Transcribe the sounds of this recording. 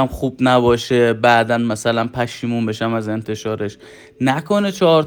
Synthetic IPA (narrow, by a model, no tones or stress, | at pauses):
æmχuːbnæbɒːʃe̞bæd̪ænmæsælænpʰæʃiːmumbe̞ʃæmæze̞nt̪ʰe̞ʃɒːɾe̞ʃ | nækʰonet͡ʃʰɒɾ